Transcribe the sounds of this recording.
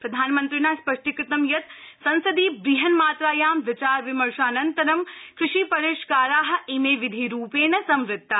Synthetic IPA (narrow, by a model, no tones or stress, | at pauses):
pɾɐd̪ʱaːnmɐ̃nt̪ɾinaːspɐʂʈikɾɪt̪ɐmjɐt̪sɐ̃nsɐd̪iːbɾiɦɐnmaːt̪ɾaːjaːmʋɪt͡ʃaːɾʋɪmɐɾʃaːnɐnt̪ɐɾɐmkɾɪʃiːpɐɾeːʃkaːɾaːɦɐ̆imeːʋɪd̪ʱiɾuːpeːnɐsɐmɾɪt̪ːa